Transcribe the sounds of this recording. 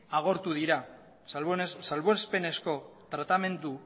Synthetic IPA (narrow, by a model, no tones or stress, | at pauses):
aɣ̞o̞ɾt̪uð̞iɾa | ssalβoespe̞ne̞sko̞t̪ɾat̪ame̞nd̪u